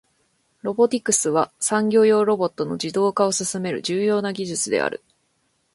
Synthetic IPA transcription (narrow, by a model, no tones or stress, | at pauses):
ɾo̞bo̞t̪ʲikɯ̟sɨβasãŋɡʲo̞ːjo̞ːɾo̞bo̞t̪ːo̞no̞̰d͡ʑid̪o̞ːkao̞sɨsɨme̞ɾɯ̟̰d͡ʑɨːjo̞ːnaɡʲiʑɨt͡sɨd̪e̞̰a̰ɾɯ̟̰